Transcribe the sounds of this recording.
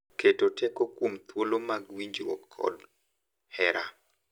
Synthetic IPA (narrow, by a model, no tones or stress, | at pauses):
ketotʰɛkokwomt̪wolomaɡwiɲd͡ʒwɔ̰kʰːɔ̰d | hɛɾa